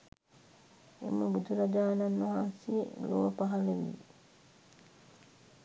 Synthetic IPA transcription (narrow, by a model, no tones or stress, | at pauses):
ḭmːəbut̪uɾad͡ʒaːnanːoɦasilowpaɦaleʋḭ